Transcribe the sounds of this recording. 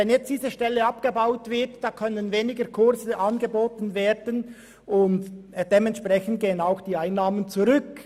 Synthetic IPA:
ɛnjɛt͡std̥iːzəʃtɛlːəapɡ̥əbaʊtv̥ɪɐtd̥aːkʰœnənveːnɪɡəkʰʊʁzəʔɑnɡəboːtn̩veːɾdən | ʔʊndd̥emɛntʃpʁ̥ɛçən̩t̚ɡ̥eːənaʊxd̥iːaɪnːaːmənt͡suʁʏk

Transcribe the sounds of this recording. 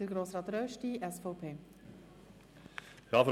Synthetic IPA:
d̥əɡɾoːsɾɑːt̪ɾœʃtiʔɛsfɔʊpʰeː | jɑf

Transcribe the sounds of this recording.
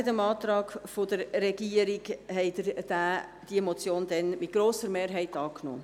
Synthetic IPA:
ɪtəmɑːt̪ɾɑːɡfod̪əɾːɛɡiəɾɪɡhɛɪd̪əd̥æːd̪̥imɔt͡sjoːnd̥̪ɛnmɪt̚ɡ̥ɾoːsəɾmeːɾɦɛɪtɑːkno̰ː

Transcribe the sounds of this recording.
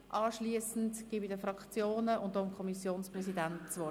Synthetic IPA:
ʔɑːʃliəsn̩tɡ̥iːbɪdəfrɑkχt͡sjoːnəʊntd̥oːɪmkʰɔmisjoːnsprɛsidænt͡sʋɔ

